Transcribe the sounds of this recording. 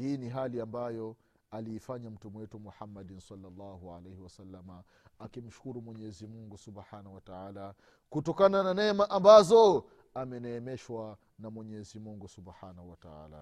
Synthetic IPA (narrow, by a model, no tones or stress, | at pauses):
hiːniɦaliambajɔ | aliːfaɲam̩tumuwɛtumuħamːadinsalːalːaːhua̰lejhiwasalːama | akim̩ʃu̥kuɾumwɛɲɛzimuŋɡusubħanahuwataaːla | kutɔkanananɛmaʔambazɔ | amɛnɛːmɛʃwa | namwɛɲɛzimuŋɡusubħanahuwataa̰ːla̰